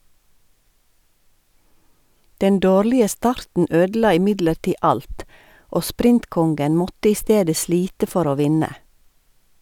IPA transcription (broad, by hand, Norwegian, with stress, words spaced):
ˈdɛn ˈdoːɾlɪə ˈstɑɾtn̩ ˈøːdl̩ˌɑː ɪˈmɪdləɾˌtiː ˈɑlt ˈʔoː ˈspɾɪntˌkɔŋɡən ˈmɔtə ˈiː ˈsteːdə ˈsliːtə ˈfɔɾ ˈoː ˈʋɪnə